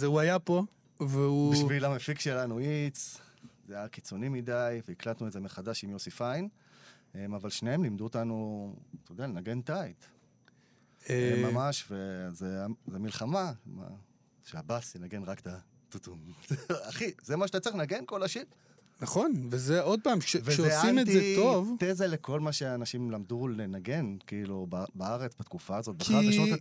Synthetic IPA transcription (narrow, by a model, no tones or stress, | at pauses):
zeuajapo | veubiʃvilamefikʃelanuit͡s | zejakit͡so̞nimid̪ajveiklat̪nueze̞meχad̪aʃimjosifajn | emavalʃneemlimd̪uot̪anut̪ojdealenaɡe̞nt̪ajt̪ | emamaʃvezeazemilχamama̰ | ʃeabasjenaɡenʁakt̪a | t̪ut̪umz̥eaχizemaʃeat̪at͡siχnaɡenko̞laʃiʁ | naχo̞nvezeod̪̚paːmʃevezoesaimet̪izeovt̪ezalekʰo̞lmaʃeanaʃimlamd̪ulenaɡe̞nkiilubbaaʁet͡sbat̪kufaːzo̞t̪̚baχaʁʃo